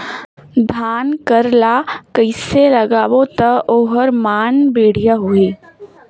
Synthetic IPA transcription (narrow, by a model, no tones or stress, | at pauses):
d̪ʱaːnkəɾlakəɪseləɡaːwot̪əoːɦəɾmaːnbeːɽ̤ijaɦoeː